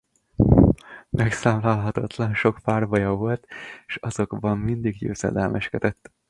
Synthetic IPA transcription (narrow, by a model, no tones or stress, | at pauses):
mʔɛksaːmlaːlɦɒt̪ɒt̪lɒnʃo̞kfaːrvɒjɒvo̞lt̪eːʃɒzo̞ɡbɒmːind̪iɡɟø̰ːzɛ̰d̪ɛlmʔɛʃkɛd̪ɛt̪ː